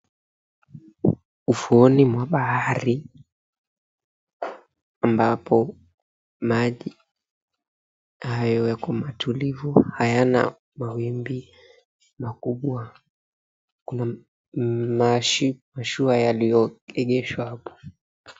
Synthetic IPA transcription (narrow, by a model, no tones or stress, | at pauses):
ufuɔnimwaɓahaɾi | ambapɔ | maʄi | hajɔjakɔmatʰulivuhajana̰ | mawimbi | makuɓwa | kuna | maʃmaʃuajalijɔɛɠɛʃwahapɔ̥